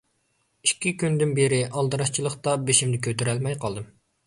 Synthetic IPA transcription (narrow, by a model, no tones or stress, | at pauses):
ikʲːikʲynd̪ɪnbeɾɪʔɑlˠd̪ɨɾɑʃt͡ʃʰilˠəχt̪ɑbeʃimd̪ɪkʲʰøt̪yɾɛlmɛjqʰɑlˠd̪ɨm